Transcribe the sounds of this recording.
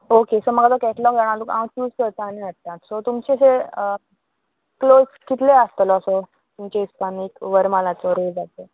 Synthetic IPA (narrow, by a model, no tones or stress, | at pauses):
okesɔməɡat̪ɔkɛʈlɔkd͡zaɽ̃alukãwt͡ɕuːskəɾt̪aːñiəʈ̚t̪at̪sɔt̪umt͡ɕeseə | kloskit̪ʰleast̪lɔəsɔ | t̪umt͡ɕeispanikʋəɾmalat͡sɔɾed͡zat̪e